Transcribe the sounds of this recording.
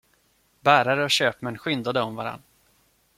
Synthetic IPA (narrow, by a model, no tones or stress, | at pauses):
bæːɾaɾəɔɕøːpmɛnɧʏnd̪ad̪əɔmvaɾa̰nː